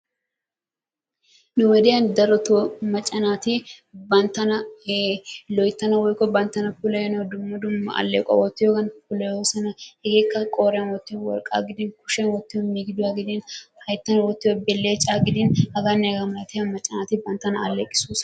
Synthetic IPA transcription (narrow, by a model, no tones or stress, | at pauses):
nʊwɛd̪ɛjɐnd̪ɐɾɔt̪omɐt͡ʃʼːɐnaːt̪ɪbɐnt̪ːɐnɐ | lɔjt̪ːɐnɐwɔjkːɔbɐnt̪ːɐnɐpʊlɐjɔnɐwd̪ʊmːɐd̪ʊmːɐ̰ʔɐ̰lːeːkʼɔ̰wɔt̪ːɪjɔɡɐnpʊlɐjoːsɐnɐhɛɡeːkːɐkʼoːɾɪjɐnwɔt̪ːɪjwɔ̰ɾkʼːa̰ːɡɪd̪ɪnkʊ̥ʃɐnwɔt̪ːɪjɔnmiːɡɪd̪ʊwaɡɪd̪ɪnhɐjt̪ːɐnɐwɔt̪ːɪjɔbɛlːeːt͡ʃʼaːɡɪd̪ɪnhɐɡanːɛɡɐmɐlɐt̪ɪjɐmɐt͡ʃʼːɐnaːt̪ɪbɐnt̪ːɐnɐɐ̰lːekʼːɪ̥suːs